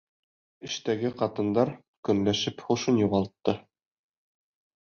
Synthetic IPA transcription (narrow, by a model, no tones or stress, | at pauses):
ɘ̆ʃt̪æɡɘqɑt̪ɤ̆nd̪ɑɾ | kɵ̆nlæʃɘpχŭʃɤnjuʁɑlˠt̪ːɤ